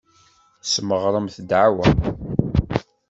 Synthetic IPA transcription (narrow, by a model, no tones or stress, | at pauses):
θsməʁɾˤəmθəd̪ʕawæ